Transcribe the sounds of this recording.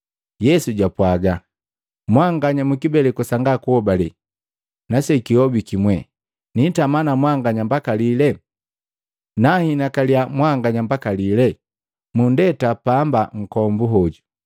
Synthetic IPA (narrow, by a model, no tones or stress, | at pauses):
jɛsuɟapwaɡa | mwaŋɡaɲamukibɛlɛkusaŋɡakuhɔbalɛ | nasɛkiɔbikimwɛ | nitamanamwaŋɡaɲambakalilɛ | nahinakaliamwaŋɡaɲambakalilɛ | mundɛtapambaŋ̩kɔmbuɦɔɟu